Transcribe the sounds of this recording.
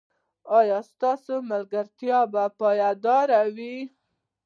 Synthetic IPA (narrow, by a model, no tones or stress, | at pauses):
ɑjɑst̪ɑsomalɡaɾt̪jɑbapɑjad̪ɑɾawi